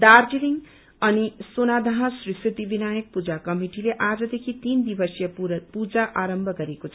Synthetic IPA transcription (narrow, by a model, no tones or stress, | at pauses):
d̪arʈiliŋ | ʌnisonad̪ʱʌɦʌ̃srisit̪ibinajʌk̚pud͡zakʌmiʈileʔad͡zʌd̪ekʰit̪ind̪ibʌsjʌpud͡zaʔaɾʌmbʱʌɡʌɾekot͡sʰ